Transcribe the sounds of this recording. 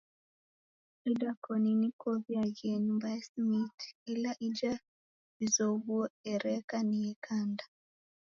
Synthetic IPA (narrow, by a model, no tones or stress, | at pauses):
ɛdakɔninikoβiajenubaɛsmitilaʔid͡ʒa | izoβuɔɛɾɛkaniɛkʰanda